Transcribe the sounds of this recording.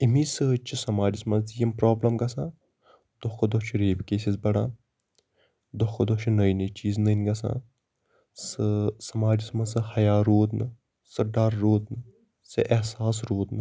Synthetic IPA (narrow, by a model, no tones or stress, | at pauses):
imiːsɨt͡ʃʰisɐmaːɾismɐnt͡sjɐmpɾaːblɐmɡɐsãː | d̪ɔkɐd̪ɔt͡ʃʰiɾeːbkeːsizbɐɽaː | d̪okɐd̪ɔt͡ʃʰinɐjnɐt͡ʃiːznəjnɡɐsã̰ː | sɨsɐmaːɾismɐsɨhɐjaːɾoːd̪nɨ | sɨɖɐɾːoːd̪nɨ | sɐ̰ʔɛɦsaːsɾoːd̪nɨ